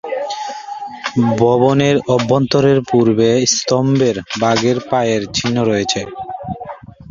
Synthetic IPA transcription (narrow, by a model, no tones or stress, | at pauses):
bɔboneɾɔbːɔnt̪oɾeɾpuɾbest̪ɔmbeɾbaɡeɾpajeɾt͡ɕʰinːoɾɔjet͡ɕʰe